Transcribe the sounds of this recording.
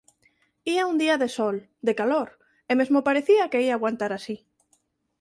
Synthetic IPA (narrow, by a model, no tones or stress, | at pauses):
iaund̪iaðesɔl | d̪ekaloɾ | emezmopaɾeθiakeiaːɣwant̪aɾasi